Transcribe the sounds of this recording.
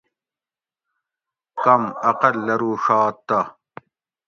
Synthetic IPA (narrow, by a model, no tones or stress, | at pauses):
kɐmɐqɐlːɐɾuːʂaːt̪ːa